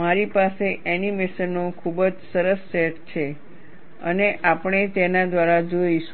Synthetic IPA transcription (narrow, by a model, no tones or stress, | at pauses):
maɾipaseʔɛnimeʃənːõkʰubəd͡ʒsəɾəsːeʈt͡ʃʰe | ə̰neʔapəɽ̃et̪enad̪ʋaɾad͡ʒoiʃ